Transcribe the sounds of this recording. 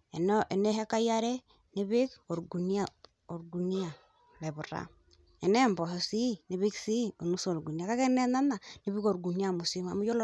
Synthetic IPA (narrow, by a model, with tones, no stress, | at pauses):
ɛ˨nɔ˦ʔɛ˨ne˦ɦɛ˦ka˦ja˦ɾɛ˦ | ni˦βɪ˦ko˨ɾɡu˨ni˦a˨ | o˨ɾɡu˨ni˦a˨ | le˨βu˨ɾa̰˦ | ɛ˨nɛ˦mbɔ˨sɔ˨si˦ni˨βi˦ksi˦o˨nu˦so˨ɾɡu˨ni˨a˨ka˦kɛ˦nɛ˦na˦na˨ni˨˦βi˦ko˨ɾɡu˨ni˦a˦˨mu˨si˦ma̰˨mu˦jɔ˦l